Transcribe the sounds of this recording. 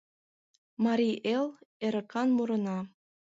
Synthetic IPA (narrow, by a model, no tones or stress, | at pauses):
mɑɾʲiʔeleɾə̆kɑnmuɾɤ̆nɑ